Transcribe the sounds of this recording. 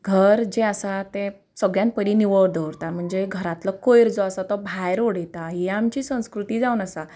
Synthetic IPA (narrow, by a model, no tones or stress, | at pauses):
ɡʱəɾd͡ʑeəsat̪e | səɡjãnt̪̚pəɾiniʋəɭd̪ʱəʋɾt̪am̤əɳd͡zeɡʱəɾat̪lɔkojɾd͡zɔasat̪ɔbʱajɾoɽet̪aɦiaːmt͡ɕiːsə̃w̃skɾut̪iːd͡zaunəsa